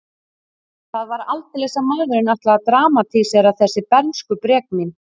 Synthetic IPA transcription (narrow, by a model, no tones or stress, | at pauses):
θaðvaɾalt̪ɪlɛsamaːðɾɪnaht̪laaðt̪ɾaːmat̪ʰisɛɾawθɛsːɪpɛɾnskʏpɾɛːk̚min